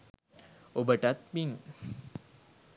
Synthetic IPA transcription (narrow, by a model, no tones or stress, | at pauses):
obəʈat̪̚miŋ